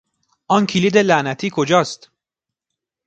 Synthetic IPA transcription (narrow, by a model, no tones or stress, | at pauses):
ʔɒːncʰiliːd̪e̞lænæt̪ʰiːkʰod͡ʒɒːst̪